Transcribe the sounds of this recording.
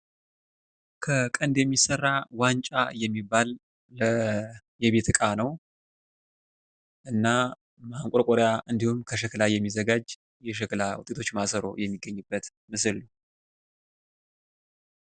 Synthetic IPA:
kʰəkʼənd̪jɛmːisərːawant͡ʃʼa̰jɛmːibːalː | ə | jɛβe̞t̪ʰɨkʼanəw | ʔɨnːa | maŋkʷʼɔɾkʼoɾjaʔɨnd̪ihumkʰəʃ̬əkɨlajːɛmːizəɡad͡ʒ | jɛʃ̬əklawṵt̪ʼet̪ʰo̞t͡ʃːmasəɾo̞̰jɛmːiɡːəɲːɨbːət̪ | mɨsɨlːu

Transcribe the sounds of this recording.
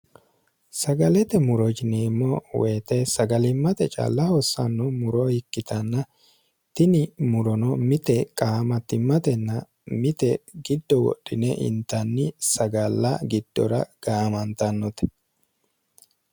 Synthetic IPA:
sɐɡɐlɛt̪ɛmʊɾɔd͡ʒɪneːmːɔweːt̪ɛsɐɡɐlɪmːɐt̪ɛt͡ʃʼa̰ːlːɐhɔsːɐnːɔmʊɾɔhɪkːɪt̪ɐnːɐ | t̪ɪnɪmʊɾɔnɔmɪt̪ɛkʼaːmɐt̪ːɪmːɐt̪ɛnːɐ | mɪt̪ɛɡɪd̪ːɔwɔ̰ɗːɪnɛʔɪ̰nt̪ɐnːɪsɐɡɐlːɐɡɪd̪̥ːɔ̰ɾɐ̰ɡ̥aːmɐnt̪ɐnːɔt̪ɛ̥

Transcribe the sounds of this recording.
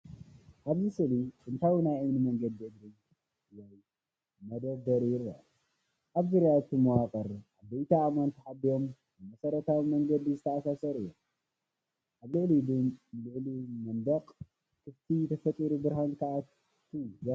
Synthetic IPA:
ʔaβzɨsɨliɨnt̪ʰawnajajnɨmɐŋɡɐd̪iʔɨd̪ɾi | jaj | mɐd̪ɐd̪ɐɾjɪɾːa̰ | ʔaβzɨɾjawt̪ʰɨmɐwakʼɐɾʔaβbejt̪ʰaːmant̪ʰiħab̪io̞m | ɨmɐsɐɾɐt̪ʰawimɐŋɡɐd̪izɨt̪ʰɐasasɐɾɨjːom | ʔaβlɨʕlid̪ɨnlɨʕlimɐnd̪ɐqʼ | kʰɨft̪ʰit̪ʰɐfɐt̪ʼiɾubɨɾhank̪ʰaʔa | t̪ʰːujɐ

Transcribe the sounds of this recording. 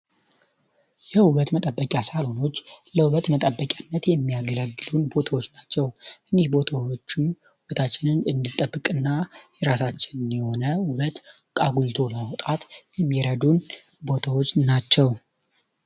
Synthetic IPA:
jɛhuβət̪mət̪ʼəbːəkʲʼasalo̞no̞t͡ʃːləhuβət̪mət̪ʼəbːəkʲʼjanːət̪jɛmːijaɡələɡːɨlunbo̞t̪ʰawot͡ʃːnat͡ʃːɛwʔɨnihbot̪ʰat͡ʃː | βət̪ʰat͡ʃːɪnɨnɨnd̪ɨt̪ʼːəbːɨkʼɨnːajɛɾasat͡ʃːɪnɨnjɛho̞nəhuβət̪kʼaɡult̪ʰo̞ləməwt̪ʼat̪jɛmːiɾəd̪un | bo̞t̪ʰawo̞t͡ʃːnat͡ʃːɛw

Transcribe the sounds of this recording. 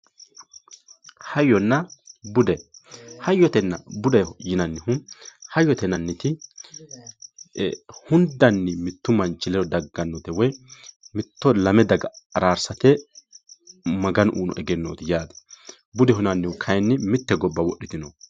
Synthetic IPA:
hɐjːɔnːɐbʊd̪ɛhɐjːɔt̪ɛnːɐ̰bʊd̪ɐjjɪnɐnːɪhʊhɐjːɔt̪ɛnːɐnːɪt̪ɪ | hʊnd̪ɐnːɪmɪt̪ːʊmɐnt͡ʃːɪlɛɔd̪ɐɡːɐnːot̪ɛwɔjmɪt̪ːɔlɐmɛd̪ɐɡɐɐɾaːɾsɐt̪ɛ | mɐɡɐnʔṵːnɔ̰ʔɛɡɛnːo̰ːt̪ɪjaːd̪ɐ̥ | bʊd̪ɛɦʊnɐnːɪʊkʰɐjnːɪmɪt̪ːɛɡɔbːɐwɔɗːɪt̪ɪno

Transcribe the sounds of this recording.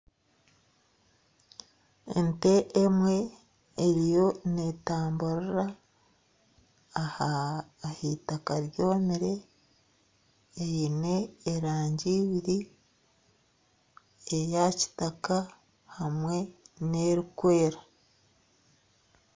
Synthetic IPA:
ḛnte̞ʔːmwe̞ː | ɾijo̞ne̞taːmbuɾɾa | haːhitakaɾjo̞ːmiɾe̞ | jine̞ːɾaːɲɟiːβiɾi | ejaci̥taka | hamwe̞ne̞ɾikwe̞ːɾa

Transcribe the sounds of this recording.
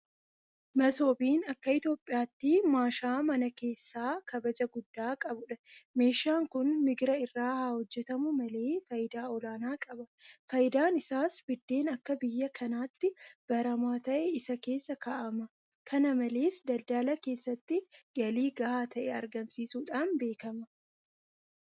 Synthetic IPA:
mɐso̞ːbiːnɐkːɐɪt̪jo̞ːpʼːɪjaːt̪ːɪmaːʃaːmɐnɐke̞ːsːaːkɐbɐd͡ʒɐɡʊd̪ːaːkʼɐbʊᶑɐme̞ːʃaːŋkʊnmɪɡɪɾɐɪrːaːhaːhɔd͡ʒːɛt̪ɐmʊmɐle̞ːfɐjɪd̪aːɔlaːnaːkʼɐbɐfɐjɪd̪aːnɪsaːsbɪd̪ːe̞ːnɐkːɐbɪjːɐkʰɐnaːt̪ːɪb̥ɐɾɐmaːt̪ɐʔɛɪsɐke̞ːsːɐkaʔɐmɐ | kʰɐnɐmɐle̞ːsd̪ɐld̪aːlɐke̞ːsːɐt̪ːɪɡɐliːɡɐhaːt̪ʰɐʔɛɐɾɡɐmsiːsuːᶑaːnbe̞ːkɐmɐ

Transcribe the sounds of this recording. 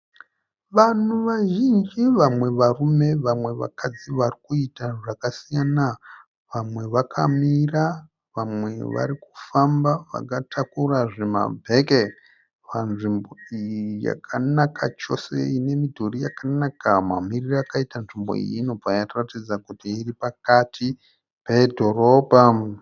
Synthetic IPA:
ʋanuʋaʒind͡ʒiʋamwe̞ʋarume̞ʋamwe̞ʋa̰kʰad͡ziʋarikuitaʐakasijana | ʋamwe̞ʋakʰa̰mira | ʋamwe̞ʋa̰ɾiku̥fambaʋa̰katʰakuraʐema̰bʱe̞ke | ʋanʐimbo̞ijija̰kʰanakʰat͡ʃo̞se̞ine̞midʱorijakanakamamiriraakaitanʐimbo̞̰ḭjinob͡vajatratid͡zakutiːripakatʰi | pe̞dʱo̞robʱa

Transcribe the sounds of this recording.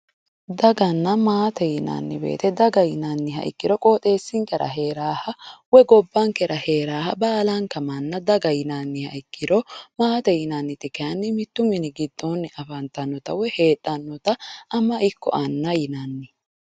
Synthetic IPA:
d̪ɐɡɐnːɐmaːt̪ɛjɪnɐ̰nːɪbḛːt̪ɛd̪ɐɡɐjɪnanːɪɦɐ̰ʔɪ̰kːɪɾɔkʼo̞ːt̪ʼe̞ːsːɪŋkɛɾɐ̰ɦe̞ːɾaːhɐwɛɡɔbːɐŋkɛɾʔɐhe̞ːɾaːhɐbaːlɐŋkɐmɐnːɐd̪ɐɡɐjɪnanːɪhɐ̰ɪkːɪɾɔmaːt̪ɛjɪnanːɪt̪ɪkɐnːɪmɪt̪ːʊmɪnɪɡɪd̪̥ːonːɪʔɐfɐnt̪ɐnːɔt̪ɐwɛhe̞ːt̪ʼːɐnːɔt̪ɐːmɐʔɪkːɔ̰ʔɐnːɐjɪnɐnːɪ

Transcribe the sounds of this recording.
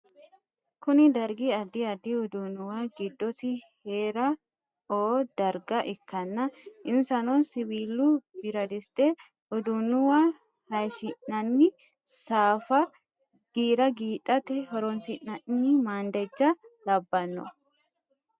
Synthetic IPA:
kʊnɪd̪ɐɾɡiɐd̪iɐd̪iʊd̪ʊnʊwaɡɪd̪ːɔsɪheːɾɐ | oːd̪̥ɐɾɡɐʔɪkːɐnːɐʔɪnsɐnɔnsɪbiːlːub̥ɪɾɐd̪ɪst̪ʼe | ʊd̪ʊnʊwa | hɐʃɪnːɐnːɪ | saːfɐ | ɡ̥iːɾɐɡiːᶑʼɐt̪ɛɦɔɾɔnsɪnːɐnɪmaːnd̪ɛd͡ʒːɐlɐbːɐnːɔ̰

